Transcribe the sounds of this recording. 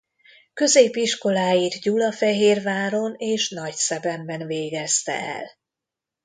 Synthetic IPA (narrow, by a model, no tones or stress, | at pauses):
kø̞zeːpiʃko̞laːjit̪ɟulɒfɛɦeːrvaːɾo̞neːʃnɒcsɛbɛmbɛnveːɡɛst̪ɛ̰ɛ̰l